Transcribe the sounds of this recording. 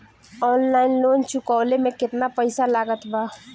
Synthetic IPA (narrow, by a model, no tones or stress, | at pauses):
ɔːnlaːɪnloːnt͡ʃʊkaːlemẽkɪt̪napəɪsalaːɡət̪baː